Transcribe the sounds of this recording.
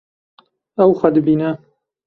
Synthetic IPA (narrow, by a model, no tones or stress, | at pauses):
ɐwxʷɐd̪ɨbiːnɐ